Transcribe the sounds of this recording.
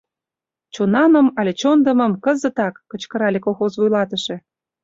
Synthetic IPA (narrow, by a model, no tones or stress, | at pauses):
t͡ɕonɑnə̆mɑlʲet͡ɕond̪ə̆mə̆mkəzə̆t̪ɑkːə̆t͡ɕkə̆ɾɑlʲekolˠxozvujlɑt̪ə̆ʃĕ